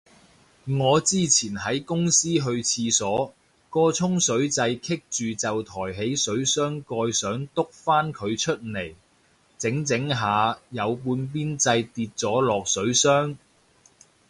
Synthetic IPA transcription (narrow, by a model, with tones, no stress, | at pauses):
ŋɔː˨˧t͡siː˥t͡sʰiː˨˩nɦɐ˨˥jkʊ˥ŋsiː˥ɦɵ˧ɥt͡sʰiː˧sɔː˨˥ | kɔː˧t͡sʰʊ˥ŋsɵ˨˥ɥt͡sɐ˧jkʰɪ˥k̚t͡ʃyː˨t͡sɐ˨wt̪ʰɔː˨˩jɦe˨˥jsɵ˨˥ɥsœː˥ŋkɔː˧jsœː˨˥ŋt̪ʊ˥k̚faː˥nkʰɵ˨˧ɥt͡ʃʰɵ˥t̚ne˨˩j | t͡sɪ˨˥ŋt͡sɪ˨˥ŋɦaː˨˧jɐ˨˧wp̬uː˧np̬iː˥nt͡sɐ˧jt̪iː˧t̚t͡sɔː˨˥lɔː˨k̚sɵ˨˥ɥsœː˥ŋ